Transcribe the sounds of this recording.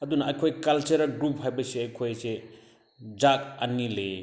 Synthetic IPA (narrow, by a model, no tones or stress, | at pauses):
ɐdunɐɐjkʰojkɐlt͡ʃɐɾɐɡɾup̚hajbɐseɐjkʰojse | d͡ʒak̚ɐnːile